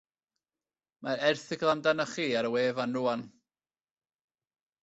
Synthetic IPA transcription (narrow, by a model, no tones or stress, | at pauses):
maɾɛrθɪɡlˠandanəχiːaɾəweːvanːuan